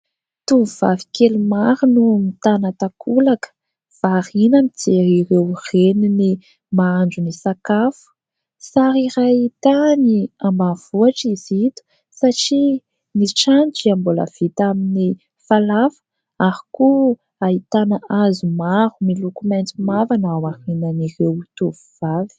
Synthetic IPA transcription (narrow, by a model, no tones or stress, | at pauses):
t̪umuv̥a̰vi̥kelumaɾunumit̪anat̪akʰulakə̥ | v̥arinamid͡zeiɾewrenini | maand͡ʒunisakafu̥ | saɾiɾait̪aniambav̥uaʈ͡ʂizit̪u̥ | saʈ͡ʂi | niʈ͡ʂand͡ʒiambolə̰v̥it̪amini | falafə̥ | aɾiku | ait̪anaazumaɾumilukument͡simavanawahinanirewt̪uvuvavi̥